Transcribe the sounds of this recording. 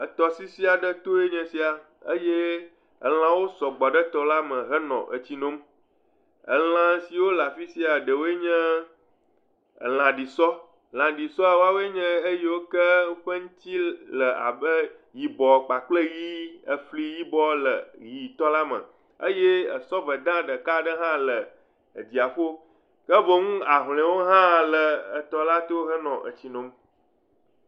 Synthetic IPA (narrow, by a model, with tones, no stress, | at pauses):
ə˨t̪ɔ˨si˦si˦a˨ɖə˦t̪o˦e˦ɲɛ̃˨si˦a˨ | ə̰˦je˦ | ə̰˨l̃ã˨wo˦sɔ˨ɡ͡bɔ˨ɖə˦t̪ɔ˦la˦mə̃˨ɦə˦nɔ̰̃˨ʔə̰˨t͡ɕi˦nõ˦m | ə̰˨l̃ã˨si˨wo˦la˨fi˦si˦a˨ɖə˨wo˦e˦ɲɛ̃˦ | ə̰˨l̃ã˨ɖi˨sɔ˦ | l̃ã˨ɖi˨sɔ˦a˨wo˦a˦wo˦e˦ɲɛ̃˦ə˦je˦wo˦kə˦wo˦ɸə˦ŋ̩˦t̪i˦lə˨ʔa̰˨bə˦ | ji˨bɔ˨k͡pa˨k͡plə˦ji˦ə˨ɸli˦ji˦bɔ˦lə˨ji˨t̪ɔ˦la˦mə̰̃˨ | ə̰˦je˦ə̰˨sɔ˦və˨d̪ã˦ɖə˨ka˦ɖə˦ɦã˦lə˨ | ə˨d̪i˨a˨ɸo˦ | kə˦və˦ŋũ˦a˨ɦl̃ɛ̃˨˦wo˦ɦã˦lə˨ə˨t̪ɔ˦la˦t̪o˦ɦə˦nɔ̃˨ʔə̰˨t͡ɕi˨nõ˨˦m